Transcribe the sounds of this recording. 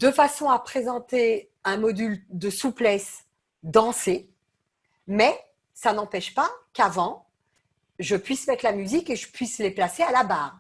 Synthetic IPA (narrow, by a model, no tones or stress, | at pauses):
d̪əfasɔ̃apχezɑ̃t̪e | ɛ̃mɔd̪yld̪əsuplɛs | d̪ɑ̃se | mɛ | sanɑ̃pɛʃpakavɑ̃ | ʒəpɥismɛt̪χlamyzikeʒəpɥisleplasealabaːʁ